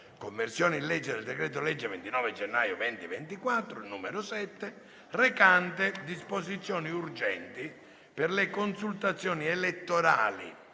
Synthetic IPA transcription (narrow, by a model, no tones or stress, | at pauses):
komːersjɔːnilɛd͡ʒːed̪eld̪ekɾɛːt̪ʊlɛd͡ʒːevent̪inɔːved͡ʒɛnːajʊvɛnt̪ivent̪ikwat̪ːɾʊnuːmeɾʊsɛt̪ːe | rekant̪ed̪isposit̪sːjɔːniurd͡ʒɛ̰nt̪i | perlɪkonsult̪at̪sːjɔːnielet̪ːoɾa̰ːlḭ